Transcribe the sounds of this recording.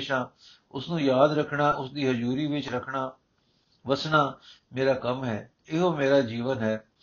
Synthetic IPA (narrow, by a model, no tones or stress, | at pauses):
ʃãː | ʊsnũːjaːd̪ɾəkʰɳaːʔʊsd̪iːɦəd͡ʒuːɾiːʋɪt͡ʃɾəkʰɳaː | ʋəsɳaːmeːɾaːkəmɦɛː | ɪɦoːmeːɾaːd͡ʒiːʋənɦɛː